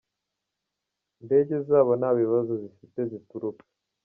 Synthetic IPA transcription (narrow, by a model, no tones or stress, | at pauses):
nde̞ɟe̞zaːβonaːβiβazozifite̞zituɾupḁ